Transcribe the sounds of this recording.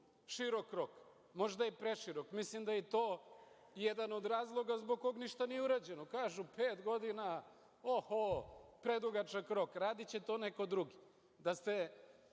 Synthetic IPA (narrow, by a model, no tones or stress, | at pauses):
ʃiɾokɾo̞k | moʒd̪ajepɾeʃiɾokmislimd̪ajet̪oː | jed̪ano̞d̪ɾaːzlˠo̞ɡazboɡ̚koɡniʃt̪anijeuɾad͡ʑe̞nokaːʒupeːt̪ɡo̞d̪ina | ohopɾed̪uɡat͡ʃakɾo̞kɾaːd̪it͡ɕet̪o̞neko̞d̪ɾuɡi | d̪ast̪e̞